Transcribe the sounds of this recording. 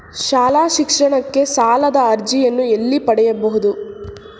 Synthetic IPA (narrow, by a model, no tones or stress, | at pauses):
ʃaːlaːʃikʂɐɳɐkːe̞saːlɐd̪ɐɐɾd͡ʒijɐnːue̞lːipɐɽɛjɐbɐɦud̪u